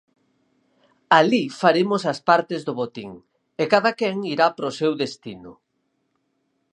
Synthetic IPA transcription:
alifaɾemʊsaspaɾt̪ezðʊβot̪iŋ | ekaðakɛŋiɾapɾosewðest̪inʊ

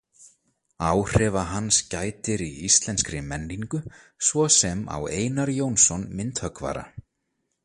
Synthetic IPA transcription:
aːwr̥ɛːvaɦanːscaːjt̪ɪɾiist̪lɛnskɾɪmɛnːiŋkʏ | svɔsɛma̰weːjnaɾjoːwnsɔnmɪnt̪hœkva̰ːɾa̰

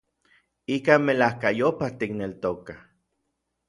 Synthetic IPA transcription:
ikamelahkajopaht̪iknelt̪okah

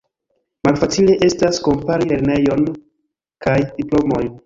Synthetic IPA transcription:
malfat͡sile̞ʔe̞stasko̞mpaɾile̞ɾne̞jo̞n | kajdiplo̞mo̞jn

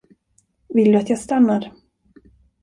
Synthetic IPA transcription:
vɪld̪ɵat̪jaːst̪anːaɾ

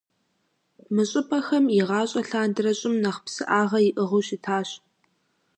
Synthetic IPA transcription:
mɨɕʼɪpʼɐxɐmɪʁɑːɕʼɐɬaːndɨrɐɕʼɪmnɐχpsɨʔaːʁɐjɪʔɨʁʊɕitʰaːɕ

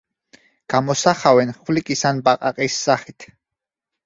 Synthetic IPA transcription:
ɡ̥amɔsaχawɛnχwlikʼisanbaqʼaqʼisːaχit̪ʰ

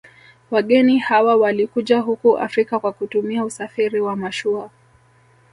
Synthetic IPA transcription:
waɠɛnihawawalikuʄaɦukuʔa̰fɾikakwakutumiausafiɾiwamaʃua

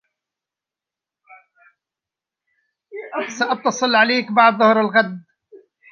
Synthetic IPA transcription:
saʔɑb̚t̪ɑsˤɨlʕaleːkbɑʕd̪ˤðˤʊhɾalɣad̪

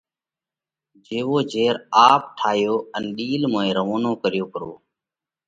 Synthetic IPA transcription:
d͡ʒeːʋoːd͡ʒʱeːɾaːp̚ʈʰaːɦjoːənɗiːlmoːẽːɾəʋoːnoːkəɾjoːkəɾo̰ː

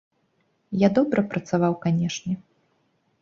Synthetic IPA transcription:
jad̪ɔbɾʔɐpɾʔɐt̪savawkanʲɛʂnʲɛ

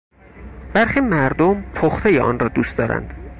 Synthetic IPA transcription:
b̥æɾxiːmæɾd̪ompʰoxt̪ʰejeʔɒ̰ːnrɒːd̪uːst̪d̪ɒːɾæ̰nd̪̥

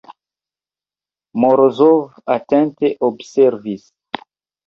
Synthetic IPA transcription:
moɾozovatɛ̃nteʔobseɾvis

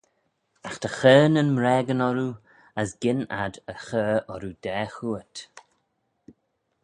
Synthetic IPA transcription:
axt̪ʰəxəːnənmɾɛːɡənɔɾu | əsɡ̥ɪna̰d̪əxəːɔɾud̥ɛːxuət

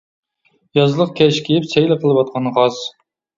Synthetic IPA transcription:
jɑzlˠəq̚kʲʰɛʃkʲʰijɪpsɛjlɪqʰəlˠɨwɑt̪̚qʰɑnʁɑz̥

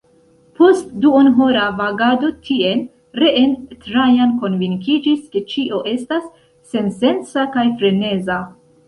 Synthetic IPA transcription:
po̞stduonɦoɾavaɡado̞tʰie̞n | ɾe̞ʔentɾajanko̞nviŋkid͡ʒiske̞t͡ʃiʔo̞ʔe̞stasː | e̞nse̞nt͡sakajfɾe̞ne̞za

